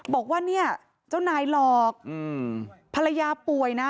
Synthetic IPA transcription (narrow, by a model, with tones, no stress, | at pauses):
bɔː˨˩k̚waː˥˩ni˥˩ɐ | t͡ɕaː˥˩wnaː˧˩jlɔː˨˩k̚ʔʔɯː˧˩pʰa˧la˧jaː˧pu˨˩əjna˦˥